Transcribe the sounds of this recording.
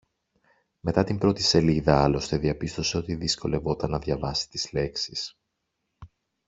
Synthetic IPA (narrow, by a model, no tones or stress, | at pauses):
me̞t̪ɐt̪imbɾo̞t̪ise̞liðɐɐlo̞st̪e̞ðiɐpist̪o̞se̞o̞t̪iðisko̞le̞vo̞t̪ɐnːɐðʝɐvɐsi̥t̪izle̞ksis